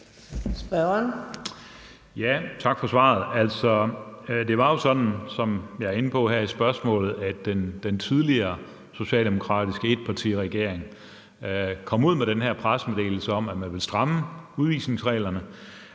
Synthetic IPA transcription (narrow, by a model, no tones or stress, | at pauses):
sb̥ɶn | jæt͡sʰɑ̈ɡ̥fɒ̽sʋɑ̰̈ːð̞̩ˠæl̰sɒ̽d̥e̝ʋɑ̈jo̝sɒ̽d̥n̩sɒ̽mjɑ̈æɐe̝nəpʰɒ̽ɦæɐ̰isb̥ɶɐsmɔ̰̽ːlð̞̩ˠæd̥end̥ent͡sʰið̞ˠliɐː | so̝ɕɛ̰ːld̥e̝mo̝kʰʁɑ̰̈ːd̥isɡ̥əe̝d̥̚pʰɑ̈t͡sʰḭːʁɛɡ̥e̝ɐ̰eŋ | kʰɒ̽muð̰ˠmeɾ̥enɦæɐ̰pʰʁasmed̥e̝̰ːl̩səɒ̽mæmænʋe̝lsd̥ʁɑ̈məuð̞ˠʋḭːsne̝ŋsʁɛ̰ːlɐnə